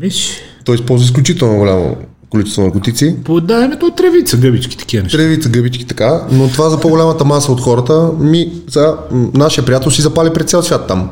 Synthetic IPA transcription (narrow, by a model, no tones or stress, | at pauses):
miʃt̪ɔispɔlˠzvəis̬klʲut͡ʃit̪ɛlˠnoɡolʲamo̰ | kolʲit͡ʃɛst̪vonəɾkot̪it̪sipod̪avɛnɛt̪oːt̪ɾɛvit̪səɡəbit͡ʃkʲi̥t̪ɐ̥kiənɛɾɛvit̪səɡɤbit͡ʃkʲi̥t̪ɐ̥kanot̪ovazɐpoɡolʲamət̪əmasəot̪xɔɾət̪əmi | sɛanaʃijəpɾiat̪ɛlˠsizɐpalʲipɾɛt̪t̪sɛlˠsvʲat̪ːam